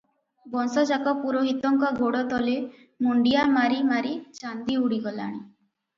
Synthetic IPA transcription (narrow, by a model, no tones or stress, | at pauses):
bɔnsɔd͡ʒakɔpuɾoɦit̪ɔŋkɔɡoɽɔt̪ɔle | muɳɖijamaɾimaɾit͡ʃand̪iuɽiɡɔla̰ɽ̃i